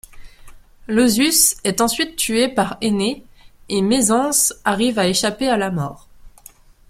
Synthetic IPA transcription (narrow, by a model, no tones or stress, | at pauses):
lozysɛt̪ɑ̃sɥit̪ːyepaʁeneemezɑ̃saʁivaeʃapealamɔːʁ